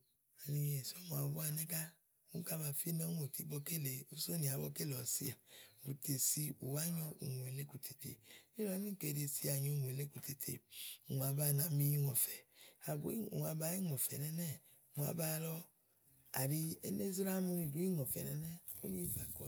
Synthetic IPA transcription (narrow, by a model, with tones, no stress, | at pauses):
a˨ni˧je˨so˦m˨a˨bu˦a˧nɛ˦ka˦ | mu˦ka˦ba˧fi˦nɔ˦ŋo˨ti˨˦bɔ˧ke˦˨le˨u˧so˦ni˨a˨˦bɔ˧ke˦˨lɔ˨sḭ˦a˨u˨te˨si˧ṵ˨wa˦ɲɔ˧ṵ˨ŋo˨e˨le˦ku˨tʰe˨tḛ˨i˦ɔ˨˦mĩ˦˨ke˧˨de˧si˧˦a˨ɲɔ˧˨ŋ˨e˨le˦ku˧te˨tʰḛ˨u˨ŋ˨a˨˧ba˧˨na˨mi˦ji˦ŋɔ˨fɛ˨a˨bṵ˨˦i˦u˨a˧ba˧˦i˦ŋɔ˨fɛ̰˨nɛ˧nɛ˦˨ | ŋʷ˨a̰˧ba˧lɔ˧ | a̰˨ɾi˧ḛ˦ne˦zi˦ɾa˦mu˧ɾi˧˨du˨˦i˦ŋɔ˨fɛ̰˨nɛ̰˧˦nɛ˦o̰˦ɲi˦i˦fa˨kɔ˨